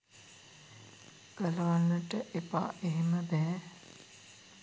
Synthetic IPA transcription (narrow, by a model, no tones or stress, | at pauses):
ɡ̥əlɐʋalːəʈəʔepa̰ːʔeɦeməbɛː